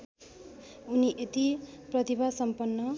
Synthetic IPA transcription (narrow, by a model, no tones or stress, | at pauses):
uniʔet̪iprʌt̪ibʱasʌmpʌnːʌ